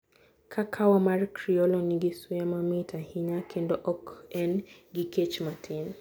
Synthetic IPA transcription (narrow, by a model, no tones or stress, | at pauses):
kʰakʰawamaɾkɾiɔlɔniɡisuamamitʰahiɲakʰɛndɔʔɔkɛnɡiket͡ʃmatʰin